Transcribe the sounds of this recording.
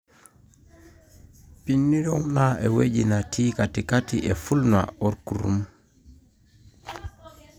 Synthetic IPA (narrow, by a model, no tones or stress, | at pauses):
pinːiɾɔmnaɛwed͡ʒinatʰiːkatikatiʔɛfulna̰ɔɾkuɾṵm